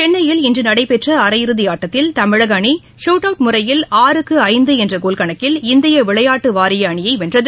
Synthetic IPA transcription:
t͡ʃɛnːɐjɪlɪndrɯnɐɽɐɪpɛʈrɐɐɾɐjɪɾɯðɪjaːʈːɐt̪ːɪlt̪ɐmɪɻɐɣɐɳi | ʂuːʈɐʊʈmʊrɐjɪlaːɾɯkːɯɐɪnd̪ɯɛndrɐɡoːlkɐɳɐkːɪlɪnd̪ɪjɐʋɪɭɐjaːʈːɯʋaːɾɪjɐɐɳɪjɐɪʋɛndrɐðɯ

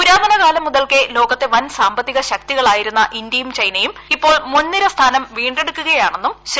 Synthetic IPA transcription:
uɾaːɦɐɳɐɣaːlɐmːuðɐlkelo̞ːɣɐt̪ːe̞ʋɐnsaːmbɐt̪ːiɣɐɕɐk̚t̪iɣɐɭaːjiɾunːɐʔind̪jɐjumt͡ɕɐjnɐjumipːo̞ːɭmonːiɾɐst̪ʰaːnɐmʋiːɳɖe̞ɽukːuɣɐjaːɳe̞nːumɕ

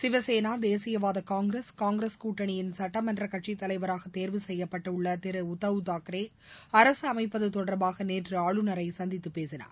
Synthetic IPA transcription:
sɪʋɐseːnaːd̪eːsɪjɐʋaːðɐkaːŋɡɾeskaːŋɡɾeskuːʈːɐɳɪjɪnsɐʈːɐmɐndrɐkɐʈt͡ʃit̪ːɐlɐɪʋɐɾaːɣɐt̪ːeːɾʋɯsɛjːɐpːɐʈːɐʊɭːɐt̪ɪɾɯʊt̪ːɐʋɯt̪aːkɾeː | ɐɾɐsɯɐmɐɪpːɐðɯt̪ɔɽɐɾbaːɣɐneːʈrɯaːɭɯnɐɾɐɪsɐnd̪ɪt̪ːɯpeːsɪna̰ːɾ

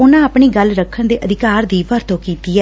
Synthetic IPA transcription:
ʊnãːaːpɳiːɡəlɾəkʰːəɳd̪eːʔəd̪ɪkaːɾd̪iːpəɾt̪õːkiːt̪iːɛː

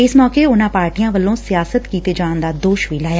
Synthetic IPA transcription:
ɪsmɔːkeːʊnãːpaːɾʈijãːʋəlːõːsɪjaːsət̪kiːt̪eːd͡ʒãːnd̪aːd̪oːʃʋiːlaːjaː

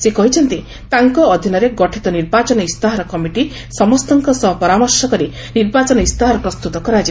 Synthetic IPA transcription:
sekɔɦit͡ʃʰɔnt̪i | t̪aŋkɔːd̪ʱinɔɾeɡɔʈʰit̪ɔniɾbat͡ʃɔnɔist̪aɦaɾɔkɔmiʈi | sɔmɔst̪ɔŋkɔsɔɦɔpɔɾamɔɾsɔkɔɾi | niɾbat͡ʃɔnɔist̪aɦɔɾɔpɾɔst̪ut̪ɔkɔɾad͡ʒi

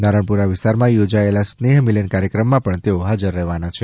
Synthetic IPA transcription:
naɾəɳpuɾaʋɪst̪aɾmãjod͡ʒaelasneɦmilənkaɾjəkɾəmːãpəɳt̪eoɦad͡ʒəɾːəɦʋanat͡ʃʰe

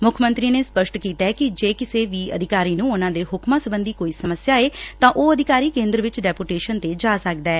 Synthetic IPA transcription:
mʊkʰmə̃nt̪ɾiːneːspəʃʈkiːt̪aːkɪd͡ʒeːkɪseːʋiːə̰d̪ʱɪkaːɾiːnũːʊnãːd̪eːɦʊkmãːsəbənd̪iːkoːiːsəməsjaːeːt̪ãːʔoːəd̪ɪkaːɾiːkẽːnd̪ɾəʋɪt͡ʃɖɛːpoːʈeːʃənt̪eːd͡ʒaːsək̚d̪aɛː

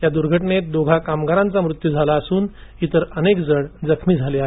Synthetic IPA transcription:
jad̪uɾɡʱəʈɳet̪̚d̪oɡʱakamɡaɾãnt͡samɾut̪jud͡zʱalaəsuːnit̪əɾənekd͡zəɽd͡zəkʰmiːd͡zʱaleaɦe

